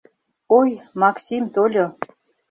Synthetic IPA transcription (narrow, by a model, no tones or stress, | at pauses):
ojmɑksʲimt̪olʲo